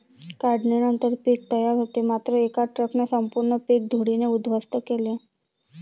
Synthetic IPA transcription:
kaɖnenənt̪əɾpik̚t̪əjaɾɦot̪emat̪ɾəekaʈɾəknesəmpuɾɳəpek̚d̪ʱuɽineud̪ʋəst̪əkele

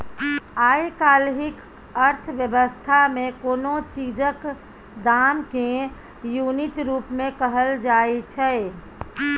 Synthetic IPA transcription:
ajkalɦik | əɾt̪ʰʋjəbəst̪ʰamẽkonot͡ʃid͡ʒək | d̪amke | junit̪ɾupmẽkəɦəld͡ʒaejt͡ʃʰɛ

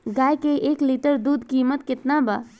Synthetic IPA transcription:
ɡaːjkeʔeːkliʈəɾd̪uːd̪ʱkiːmət̪kɪt̪naba̰

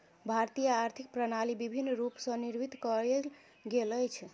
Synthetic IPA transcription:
bʱaɾt̪ijaːɾt̪ʰik̚pɾənalibibʱinːɾupsə̃niɾbit̪kəɾe | ɡeləjt͡ʃʰ

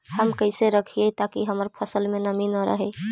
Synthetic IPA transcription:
həmkəjseɾəkʰijet̪akiɦəməɾpʰəsəlmenəminəɾə̰ɦɛ

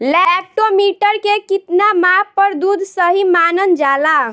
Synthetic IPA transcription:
lɛp̚ʈomiʈəɾkekit̪namapːəɾd̪ud̪ʱsəɦimanənd͡ʒala

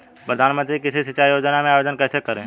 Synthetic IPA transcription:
pɾəd̪ʱaːnmə̃t̪ɾikɪsisɪt͡ʃajjoːd͡ʒnamẽaːjoːd͡ʒənkɛːsekəɾẽː

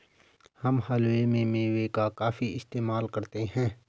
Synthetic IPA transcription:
hɐmɦaːlwemẽmẽwekakaːfiɪst̪eːmaːlkɐɾt̪eɦɛ̃ː

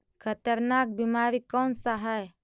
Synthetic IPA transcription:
kʰət̪əɾnak̚bimaːɾikɔːnsaɦəj

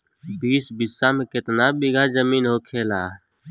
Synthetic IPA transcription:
biːsbɪsːamẽkɪt̪nabɪɡʱazəmiːnɦoːkʰeːlaː

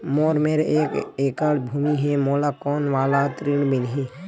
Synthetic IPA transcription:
moːɾmeːɾeːkeːkaɽbʱuːmiɦemoːlakoːnʋaːlat̪ɾiɳbinɦeː

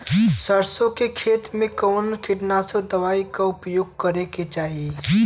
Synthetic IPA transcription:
səɾsõkekʰeːt̪mẽkɔːnkɪʈnased̪əʋaːikaʊpjoːɡ̚kəɾeket͡ʃaːɦie

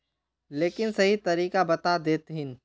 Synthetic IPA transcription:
leːkɪnsɐɦit̪ɐɾiːkabɐt̪ad̪eːt̪ɦɪn

